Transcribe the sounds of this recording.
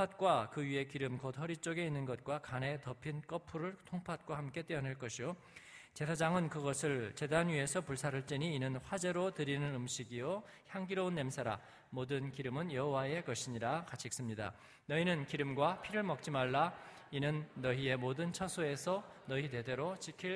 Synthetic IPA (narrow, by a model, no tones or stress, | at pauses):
pʰat̚k͈wakɯɥie̞kiɾɯmkʌdhʌɾit͡ɕ͈oɡe̞inːɯnɡʌt̚k͈wakane̞tʌpʰink͈ʌpʰuɾɯɭtʰoŋpʰat̚k͈wahamk͈e̞t͈eʌnɦaɭk͈ʌɕʰijo | t͡ɕe̞sʰad͡ʑaŋɯnkɯɡʌsʰɯɭt͡ɕe̞danɥie̞sʰʌpuɭsʰaɾɯɭt͡ɕ͈eɲiːnɯnɸwad͡ʑe̞ɾotɯɾinɯnɯmɕ͈ʰiɡijo | çjaŋɡiɾonːe̞msʰaɾa̰ | modɯnkiɾɯmɯnjʌɦowae̞kʌɕʰiɲiɾakat͡ɕʰik̚s͈ɯmɲida̰ | nʌinɯnkiɾɯmɡwapʰiɾɯɭmʌk̚t͡ɕ͈imaɭːa | inɯnːʌie̞modɯnt͡ɕʰʌsʰoe̞sʰʌ | nʌit̬e̞de̞ɾot͡ɕikʰiɭ